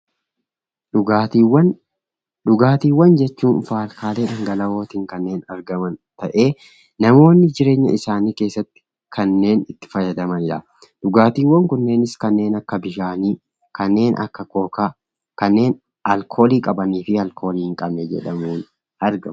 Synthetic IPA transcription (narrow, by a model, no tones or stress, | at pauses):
ᶑawɐn | ɗʊɡaːt̪iːwːɐnd͡ʒɛt͡ʃːuːnfaːlkaːleːᶑɐŋɡɐlɐwo̞ːt̪iːŋkɐnːe̞ːnɐɾɡɐmɐnt̪ɐʔe̞ː | nɐmo̞ːnːɪd͡ʒɪɾeːɲːɐ̰ɪsaːniːke̞ːsːɐt̪ːɪ̥ | kʰɐnːe̞ːnɪt̪ːɪ̥fɐjːɐd̪ɐmɐnɪɾɐ | d̪̥ʊɡaːt̪iːwːɐŋkʊnːe̞ːnɪskɐnːe̞ːnɐkːɐbɪʃaːniː | kɐnːe̞ːnʔɐ̰kːɐko̞ːka | kɐnːe̞ːn | ʔɐlkʰo̞ːliːkʼɐbɐniːfɪɐlkʰo̞ːliːhɪŋkʼɐbnɛd͡ʒɛ̰ᶑɐmuːn | ɐɾɡɐm